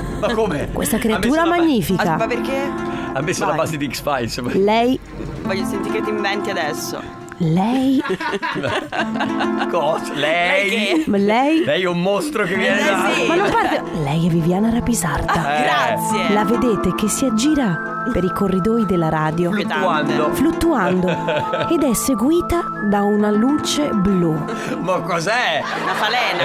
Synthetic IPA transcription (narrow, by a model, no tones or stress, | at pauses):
makːomɛkwʔḛst̪akɾeat̪uːɾamaɲːiːfikamapːerkeamːesolabaːzed̪iːkspajslɛj | vɔʎːosent̪ikːet̪ːiɱvɛnt̪iad̪ɛsːo̰ | lɛj | kɔslɛjlɛjlɛjɛumːost̪ɾokevːjɛned̪amanːompaɾvo | lɛjɛvːivjaːnaɾapizard̪aɾasjelaved̪eːt̪ek̟esːiad͡ʒiːɾa | peɾikorːid̪oːjid̪elaɾaːd̪joanoflut̪ːuand̪oed̪ɛsːeɡwiːt̪a | d̪aunaluːt͡ʃeblu | makːɔzɛ | afalɛn